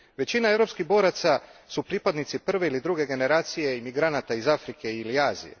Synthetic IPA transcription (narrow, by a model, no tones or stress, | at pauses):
ʋe̞t͡ɕinae̞vɾo̞pskiɦbo̞ːɾat̪sasupɾiːpad̪nit̪sipr̩ʋe̞ilid̪ɾuɡe̞ɡe̞ne̞ɾaːt̪sije̞imiɡɾanat̪aizafɾike̞iliaːzḭje̞̰